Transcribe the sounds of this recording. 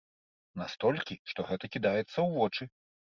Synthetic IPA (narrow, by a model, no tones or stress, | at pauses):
nast̪ɔlʲkʲiʂt̪ɔɣɛt̪ɐkʲid̪ajɛt̪sːɐwvɔt͡ʂɨ